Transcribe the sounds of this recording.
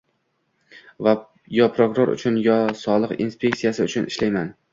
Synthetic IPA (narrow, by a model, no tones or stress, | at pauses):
va | jɒpɾokʊɾo̞ɾʊ̰t͡ʃʰʊnjɒsɒlˠɨqinspʰʲe̞k̚t̪ijasɪʊt͡ʃʰʊnʔɪʃlajman